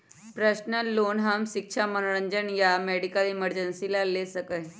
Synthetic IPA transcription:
pɾəɕnəlonɦəmɕik̚ɕʰamənɭəɲd͡ʑənjameɽikəliməɾd͡ʑənsilalesəkəj

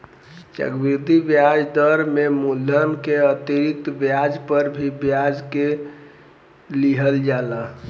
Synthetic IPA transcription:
t͡ʃə̰ɡbiɾd̪ibjad͡ʒd̪əɾmemulənkeət̪iɾit̪bjad͡ʒpəɾbʱibjad͡ʒke | liɦəld͡ʒala

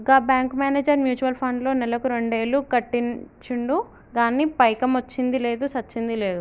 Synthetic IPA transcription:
ɡaːbjaːŋkmaːneːd͡ʒɐɾmjuːt͡ʃuʋɐlpʰɐɳɖlo̞ːnɛlɐkuɾe̞ɳɖe̞ːlukɐʈːint͡ʃuɳɖu | ɡaːnːipɐjkɐmɐt͡ʃːind̪ile̞ːd̪usɐt͡ʃːind̪ile̞ːd̪u

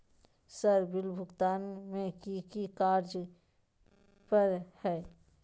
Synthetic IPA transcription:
səɾbɪlbʱʊɡt̪aːnmẽkikikaːɾd͡ʒ | pɐɾhɛː

